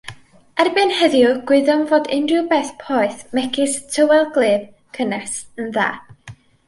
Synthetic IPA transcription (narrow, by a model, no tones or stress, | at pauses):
ɛrbɨnhəðjʊɡ̥wɪðɔmvoːdɪndrɨbɛːθpʰɔːɨθmɛkʰɪstʰəwɛlˠɡlˠeːb̥ | kʰənɛsənða̰ː